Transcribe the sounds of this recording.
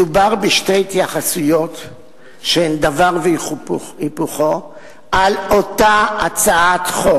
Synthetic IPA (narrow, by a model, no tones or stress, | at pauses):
ubaʁbeʃtejtjaχasujo̞t | ʃehemd̪avaʁve | ipuχo̞ | ʔalo̞taat͡saat̪χo